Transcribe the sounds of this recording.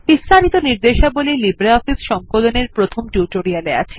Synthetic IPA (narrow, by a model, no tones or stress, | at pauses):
bist̪ʰanit̪oniɾd̪eʃabolilibɾaɔfisʃɔŋkoloneɾpɾot̪ʰomʈuʈoɾialea̰t͡ɕʰe̥